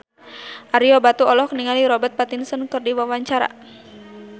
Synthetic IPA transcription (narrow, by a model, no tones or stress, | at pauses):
ʔaɾiɔbat̪uɔlɔhkniŋaliɾɔbɛrt̪̚pat̪insɔnkɨrdiwawaɲt͡ʃaɾa̰